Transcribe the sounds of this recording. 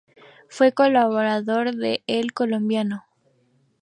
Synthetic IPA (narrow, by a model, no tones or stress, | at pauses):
fwe̞ko̞laβoɾaðoɾðeelkolombjano